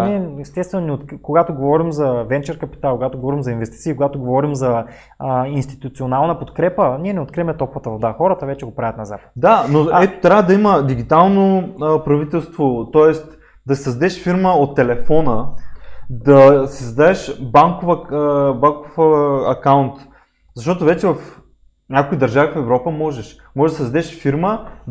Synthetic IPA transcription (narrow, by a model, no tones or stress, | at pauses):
niɛɛst̪ɛst̪vɛnonɛot̪kkoɡat̪oɡovɔɾimzɐvɛnt͡ʃɛɾkɐpi̥t̪alˠkoɡat̪oɡovɔɾimzɐinvɛst̪i̥t̪siːkoɡat̪oɡovɔɾimzɐ | inst̪i̥t̪ut̪sionalˠnəpot̪kɾɛpəniɛnɛot̪kɾiɛmɛt̪ɔpvət̪əvod̪axɔɾət̪əvɛt͡ʃɛɡopɾavʲət̪nɐza̰t̪d̪anoɛt̪o̥t̪ɾʲavəd̪ɐiməd̪iɡ̟ʲit̪alˠnopɾɐvit̪ɛlˠst̪vot̪ɔɛst̪ | d̪ɐsʲi̥sɐzd̪ɛʃfiɾməot̪ːɛlɛfɔnə | d̪ɐsizɐd̪aɛʃbaŋkovbaŋkofɐkaʊnt̪ | zɐʃt̪ɔt̪ovɛt͡ʃɛvɐf | nʲjakoid̪ɐɾʒavifɛvɾɔpəmɔʒɛʃ | mɔʒɛʒd̪ssɐd̪ɛʃfiɾmə